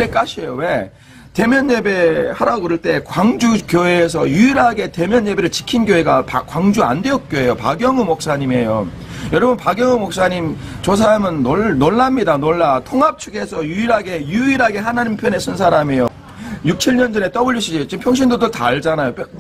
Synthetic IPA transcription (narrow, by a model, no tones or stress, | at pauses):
nek͈aɕʰijowe̞ | te̞mjʌnːe̞be̞haɾaɡoɾɯɭt͈e̞kwaŋd͡ʑukjoɦeːs̬ʰʌjuiɾɦaɡe̞te̞mjʌɲːe̞be̞ɾɯɭt͡ɕi̥kʰinɡjoɦe̞ɡapakwaŋd͡ʑua̰nde̞ʌt̚k͈joɦe̞jopa̰ɡjʌŋɯmok̚s͈aɲime̞jo | jʌɾʌbunpaɡjʌŋɯmok̚s͈aɲimt͡ɕos̬ʰaɾamɯnːoɭːoɭːamɲidanoɭːatʰoŋɦap̚t͡ɕʰuɡe̞sʰʌjuiɾɦaɡe̞juiɾɦaɡe̞ɦanaɲimpʰjʌne̞sʰɯnsʰaɾamejo | juk̚t͡ɕʰiɭɲʌnd͡ʑʌne̞t͈ʌbuʎiɕʰid͡ʑit͡ɕimpʰjʌŋɕ̬ʰindodota̰ɭd͡ʑanajopʰ